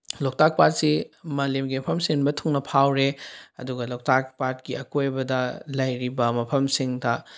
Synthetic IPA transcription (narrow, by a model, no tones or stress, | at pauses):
lok̚tak̚pat̚simɐlemɡimɐpʰɐmsiŋnbɐtʰuŋnɐpʰawɾeɐduɡɐlok̚tak̚paɾt̚kiɐkojbɐdɐlɐjɾibɐmɐpʰɐmsiŋdɐ